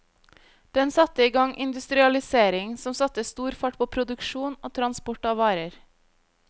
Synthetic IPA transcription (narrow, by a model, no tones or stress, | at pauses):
d̪̥ɛnsɑt̪əiːɡɑŋʔɪ̰nd̪ʉst̪ɾɪɑlɪseːɾɪŋsɔmsɑt̪əiːst̪uːɾfɑʈ̚pʰoːpʰɾʊd̪ʉkʃuːnoːt̪ʰɾɑnspɔʈɑʋɑːɾəɾ